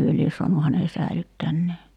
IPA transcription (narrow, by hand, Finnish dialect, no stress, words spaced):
hyø lies so̝ɑnu hæne sæilytːænːeː